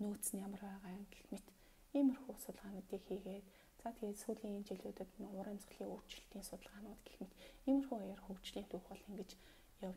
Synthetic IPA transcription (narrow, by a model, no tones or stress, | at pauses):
noːt̪sɘ̆njamə̆rpæːʁaːŋɡexmet̪ | imɵ̆rxuːsʊt̪ə̆ɮʁaːnʊːt̪iːkxiːɣeːt̪ | t͡sʰat̪ʰɡeːt̪suːɮiːŋent͡ɕiɮʊːt̪ə̆t̪nʊɾeːmsə̆ɮiːŋuːr̥t͡ɕɪ̆ɬt̪iːnsʊt̪ə̆ɮʁaːnʊːt̪ɡ̥e̥xmɘ̆t̪imɘ̆rxuːɔjɔ̆rxuwt͡ɕɮiːnt̪ʰuːxɔ̆ːɮiŋɡĕt͡ɕ | jaw